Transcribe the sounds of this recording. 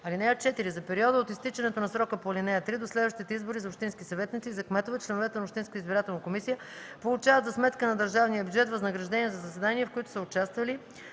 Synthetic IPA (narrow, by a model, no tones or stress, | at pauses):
ɐlinɛot̪̚t͡ʃɛt̪iɾizɐpɛɾiɔd̪əot̪ist̪it͡ʃɛnɛt̪onɐsɾɔkəpolinɛjət̪ɾid̪oslɛd̪vəʃt̪it̪ɛizboɾizɐopʃt̪inskʲisɐvɛt̪nit̪siːzɐkmɛt̪ovɛt͡ʃlɛnovɛt̪ɛnɐopʃt̪inskət̪izbiɾat̪ɛlˠnɐkomisijə | polˠut͡ʃavət̪zɐsmɛt̪kənɐd̪əɾʒavnijəbjud͡ʒɛt̪vəznəɡɾɐʒd̪ɛniɛzɐzɐsɛd̪aniɛfkoit̪ʊ̥səʊt͡ʃast̪vɐli